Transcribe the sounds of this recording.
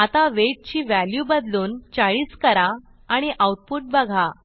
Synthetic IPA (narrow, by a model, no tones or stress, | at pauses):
at̪aʋeʈ̚t͡ɕiːʋæljubəd̪luːnt͡ɕaɭiːskəɾa | aɽ̃iʔawʈ̚puʈ̚bəɡʱa